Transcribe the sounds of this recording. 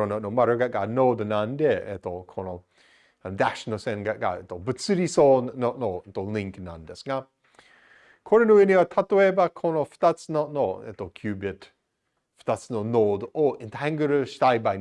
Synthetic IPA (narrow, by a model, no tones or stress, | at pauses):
onɔʔnomaɾəɡat̚ɡanoːd̪ənandɛɛ̰t̪okʰono | d̪aʃnosɛnɡaʔ̚ɡa̰ɛt̪obət͡sɨɾisonoʔnont̪olɪŋkənand̪ɛsŋa | kʰoɾənuɪniwat̪ʰat̪oebakʰonofə̥t̪at͡snoʔnoɛ̰t̪okʰjuːbət | fə̥t̪at͡snonoːd̪oɪnt̪hɛŋɡəɾəʃtajba